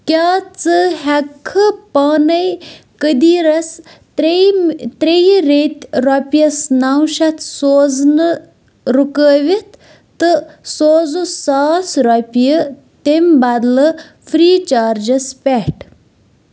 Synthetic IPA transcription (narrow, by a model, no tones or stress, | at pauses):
kʲaːt͡sɨɦɛkʰːɨpaːnɐjkəd̪iːɾɐs | t̪ɾejɾet̪ʲɾɔpʲjɐsnawʃɐt̪ʰsoːznɨ | ɾukəːʋit̪ʰ | t̪ɨsoːzusaːsɾɔpʲjə | t̪embad̪lɨ | fʰɾiːt͡ʃaːɾd͡ʒɐspʲɛʈ